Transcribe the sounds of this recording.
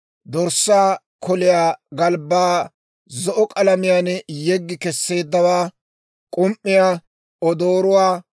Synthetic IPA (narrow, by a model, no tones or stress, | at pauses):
d̪ɔɾsːaː | kʰɔlɪjaːɡɐlbaː | zɔʔɔkʼɐlɐmɪjanjɛɡːɪkɛsːe̞ːd̪ːɐwaː | kʼʊmʔːɪjaː | ɔd̪oːɾʊwaː